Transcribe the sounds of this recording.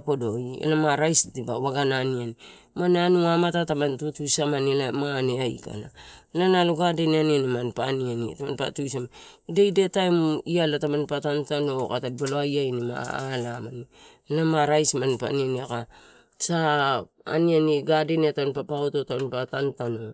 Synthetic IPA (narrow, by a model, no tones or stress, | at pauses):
podo̞jḛlamaɾajsdibawaɡananiani | mananuamatatamantutujsamanilamaaneajka̰na̰lanaluɡadenianianimanpanianḭtamanpa̰tujs̬amdejdetaemialatamanpatantanokatadibaloajajnima̰a̰lamani | lamaɾajsmanpa̰nianiaka | sa | a̰nianiɡadenetanpapaototamanpatantano